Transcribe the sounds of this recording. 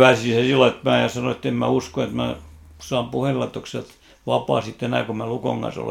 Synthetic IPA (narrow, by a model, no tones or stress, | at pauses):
ʋæˑsisesilːɑet̪mæːjɑsɑnoet̪ːemmæ̰uskoet̪mæ | sɑːmpuhelːɑet̪ːoksæt̪ | ʋɑpɑ̰ːsit̪ːenæ̰ːˑkomæluko̰ŋɡ̥ɑ̰nso̰lḛ